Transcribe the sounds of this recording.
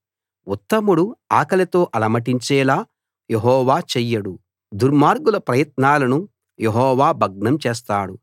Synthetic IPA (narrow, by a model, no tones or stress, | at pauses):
ut̪ːɐmuɽua̰ːkɐlɐt̪oːʔɐlɐmɐʈiɲt͡ʃɛːlaː | jeɦɔːʋaːt͡ʃɛjːɐɽu | d̪uɾmaːɾɡulɐpɾɐjɐt̪naːlɐnu | jeɦɔːʋaːbʱɐɡ̚ɳɐmt͡ʃeːs̬t̪aːɽu